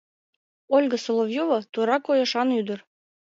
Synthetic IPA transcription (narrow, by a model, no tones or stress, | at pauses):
olʲɡə̆solˠovjovɤ̆t̪uɾɑkojɤ̆ʃɑnyd̪ə̆r